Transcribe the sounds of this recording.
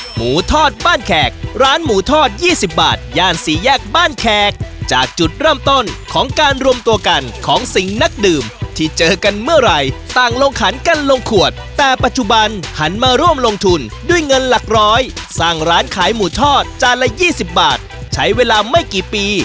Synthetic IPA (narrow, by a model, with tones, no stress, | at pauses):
muː˩˦t̪ʰɔː˥˩t̪̚baː˥˩nkʰɛː˨˩k̚ɾaː˦˥nmuː˩˦t̪ʰɔː˥˩t̪̚jiː˥˩si˨˩p̚ba̰ː˨˩t̪̚jaː˧˩nsiː˨˩˦jɛː˥˩k̚baː˥˩nkʰɛː˨˩k̚t͡ɕaː˨˩k̚t͡ɕu˨˩t̪̚ɾɤː˥˩mt̪o˥˩nkʰɔː˩˦ŋkaː˧nɾu˧əmt̪u˧əka˧nkʰɔː˩˦ŋsi˨˩ŋna˦˥k̚dɯː˨˩mt̪ʰiː˥˩t͡ɕɤː˧ka˧nmɯ˥˩ɐɾa˧jt̪aː˨˩ŋlo˧ŋkʰa˨˩˦nka˧nlo˧ŋkʰu˨˩ət̪̚ːɛː˨˩pa˨˩t̪̚t͡ɕu˨˧˩ba˧nha˩˦nmaː˧ɾu˥˩əmlo˧ŋt̪ʰu˧ndu˥˩əjŋɤ˧nla˨˩k̚ɾɔː˦˥jsaː˥˩ŋɾaː˦˥nkʰaː˩˦jmuː˨˩˦t̪ʰɔː˥˩t̪̚t͡ɕaː˧lɛ˧˥jiː˥˩si˨˩p̚baː˨˩t̪̚t͡ɕʰa˦˥jweː˧laː˧ma˥˩jkiː˨˩piː˧